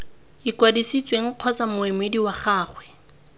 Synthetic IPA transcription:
ikwadisit͡sʼweŋ̩q͡χʰɔt͡samʊɪmediwaχaːχwɛ

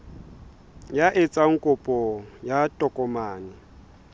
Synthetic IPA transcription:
jaʔɪt͡sʼaŋ̩kʼʊpʼɔjatʼɔkʼɔmaːnɪ

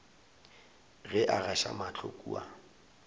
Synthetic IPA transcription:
ɣɛʔaɣaʃa̰mat͡ɬʰokʼṵːa

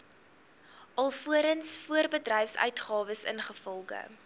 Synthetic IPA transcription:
ʔɐlˠfuəɾənsfuərbədrɛjfsœ̰ɥtχɑːvəsə̰nχəfɔlˠχə̰

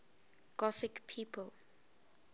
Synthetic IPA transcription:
ɡ̥ɔθikpʰiːpʰəl

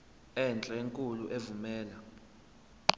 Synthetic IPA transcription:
ɛnt͡ɬʼɛeŋkʼuluʔevumɛːla

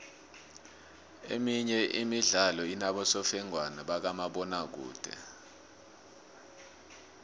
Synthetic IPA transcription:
ḛmiɲɛʔimiɮalɔinaɓɔsɔfɛŋwanaɓak̬amaɓɔnak̬ṵːd̥ʱɛ̰

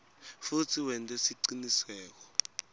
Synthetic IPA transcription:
futʰiwɛntʼɛsiǀiniswɛːk̬ɔ̥

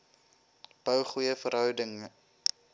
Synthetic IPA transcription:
b̥əwχujəfəɾɦœwdəŋ

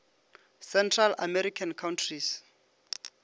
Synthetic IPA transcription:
sɛntʰralamɛɾikʰankʰawntʰris

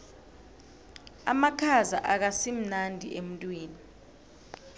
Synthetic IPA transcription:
a̰makʰaza̰ʔak̬asim̩nandʱiʔem̩tʼwiːni

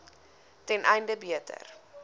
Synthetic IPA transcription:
tɛnʔɛjndəbiətə̰r

